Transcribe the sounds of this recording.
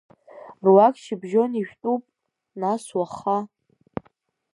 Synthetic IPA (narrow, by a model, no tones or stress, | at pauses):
rwakʼʃɪbʒo̞niʃᶣtʼupʼ | naswaχa